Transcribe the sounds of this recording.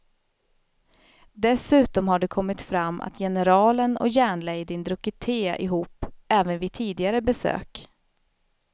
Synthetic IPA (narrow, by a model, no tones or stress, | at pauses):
d̪ɛsʉ̟ːt̪ɔmhaɖɛkʰɔmːɪt̪fɾamːʔa̰t̪ʰjɛnəɾɑːlənɔ̰jæːɳlɛjd̪ɪnd̪ɾɵkət̪ʰeːa̰ʔɪɦuːpːɛːvənvɪt̪ʰiːd̪ɪɡaɾəbɛsø̰ːk